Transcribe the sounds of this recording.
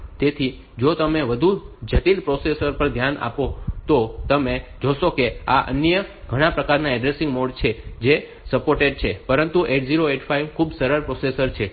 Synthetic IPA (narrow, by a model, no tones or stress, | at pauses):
t̪et̪ʰi | d͡ʒot̪əmeʋəd̪ʱud͡ʒət̪ilpɾosesəɾpəɾd̪ʱjana̰pot̪ot̪əmed͡ʒoʃokea̰ʔə̰njəɡʱəɽ̃ãpɾəkaɾnaɛɖɾesɪ̃ŋɡmoɖt͡ʃʰed͡ʒe | səpoɾʈeɖ̚t͡ʃʰepəɾənt̪uʔeʈʰziɾoeʈfʰaiʋkʰubsəɾəɾpɾosesəɾt͡ʃʰe